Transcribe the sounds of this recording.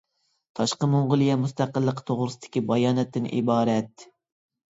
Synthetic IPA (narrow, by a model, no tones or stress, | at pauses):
t̪ʰɑʃqəmoɴʁʊlˠijɛmust̪æqəlˠːəqt̪ʰoʁɾɨsɨd̪̥ɪ̥kʲibɑjɑːnɛt̪ːɪnʔḭbɑːɾɛt̪